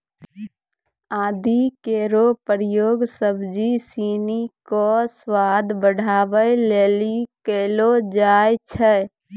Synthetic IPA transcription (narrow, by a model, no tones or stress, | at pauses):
aːd̪ʱikeɾopəɾjoːɡsəbd͡ʒisiːnikoswad̪ʱbəɽ̤ʱaːʋəjleːlikeːlod͡ʒaːjt͡ʃʰɛ